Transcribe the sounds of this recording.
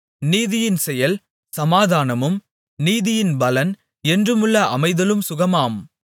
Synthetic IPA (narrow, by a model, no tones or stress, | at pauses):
niːðɪjɪnsɛjɐl | sɐmaːðaːnɐmɯm | niːðɪjɪnbɐlɐn | ɛndrɯmɯɭːɐʔɐ̰mɐɪðɐlɯmsʊɣɐmaːm